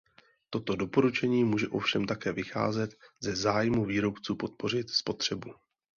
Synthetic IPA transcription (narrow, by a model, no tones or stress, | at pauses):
t̪o̞t̪o̞do̞po̞ɾut͡ʃɛɲiːmuːʒɛʔo̞fʃɛmt̪akɛːvɪxa̰ːzɛt̪zɛzaːjmuviːɾo̞pt͡suːpo̞t̪̚po̞r̝ɪt̪spo̞t̪r̝̥ɛbu